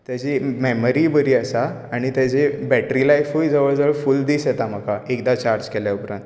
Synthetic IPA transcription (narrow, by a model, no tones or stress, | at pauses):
t̪jat͡ɕimɛməɾibəɾiːəsa | aɽ̃it̪jat͡ɕebɛʈɾilajfujd͡zəʋəɭd͡zəəɭfuld̪iːsjet̪aməkaekd̪at͡ɕaɾd͡ʑkeljaupɾãnt̪